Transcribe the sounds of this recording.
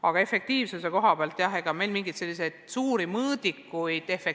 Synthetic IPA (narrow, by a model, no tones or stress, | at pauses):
ɑɡ̥ɑe̞fe̞k̚t̪iːvsuse̞ko̞ɦɑpeɑlt̪ːˑjɑhe̞ɡ̥ɑme̞lmiŋɡit̪se̞lːis̬ejd̪̥suːɾimɤːd̪̥ikːˑujd̪̥e̞fek